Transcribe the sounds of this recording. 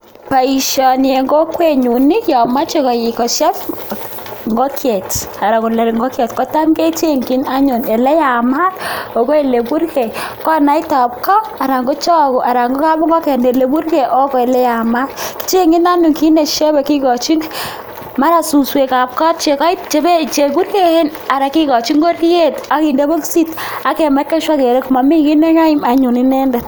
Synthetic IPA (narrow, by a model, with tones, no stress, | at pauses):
pa˨i˨ʃɔ˨njɛ˨ŋɡo˦kwe˨ɲu˨ni˦jɔ˨ma˦t͡ʃe˦kɔ˨ji˨kɔ˨ʃɛ˦p | ŋɡɔ˦kʰjɛ˨ta˨ɾa˨ko˨lɛ˨ɾŋɡɔ˦kjɛ˨tkɔ˦ta˦nke˦t͡ʃe˦ŋɡi˦na˦ɲo˨ne˨lɛ˦ja˨ma˦to˨kɔ˦e˨le˨bu˦ɾkɛ˨kɔ˦na˦i˦ta˨p̚kɔ˦a˨ɾa˨ŋɡo˦t͡ʃɔ˦ku˨ʔa˨ɾa˨ŋɡo˦ka˦bɔ˦ŋɡɔ˦kɛ˨ne˨le˨bu˦rkɛ˨ʔo˦kɔ˨e˨lɛ˦ja˨ma˦tki̥˦t͡ʃe˦ŋɡi˦na˦ɲu˨ŋki˦ne˨ʃe˦bɛ˨ki˦kɔ˨t͡ʃi˦n | ma˦ɾa˨su˨swe˨ka˨p̚kɔ˦t̚t͡ʃe˨ka˦i˦t̚t͡ʃe˨be˦t͡ʃe˨bu˦ɾke˨e˦n | a˨ɾa˨ki˦kɔ˨t͡ʃi˦ŋɡo˦ɾje˦ta˨ki˨nde˦bo˦ksi˦t | a˨ke˨ma˦kːe˦ʃwa˦ke˨ɾe˦kma˨mi˦ki˦ne˦ŋa˦i˦ma˨ɲo˨nɪ˦nɛ˦ndɛ˨